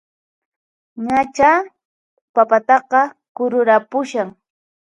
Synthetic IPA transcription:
ɲat͡ʃa | papat̪ɑqɑ | kʊɾʊɾapʊʃaŋ

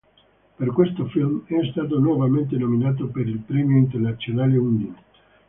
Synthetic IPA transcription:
perkwest̪ofilmɛst̪aːt̪̬onwɔvament̪̬enominaːt̪̬opeɾilpɾɛmjoint̪ernat̪sːjonaːleund̪i

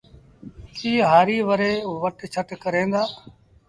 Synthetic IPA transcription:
kiːɦaːɾiːʋəɾeːʋəʈt͡ʃʰəʈkəɾẽːnd̪aː

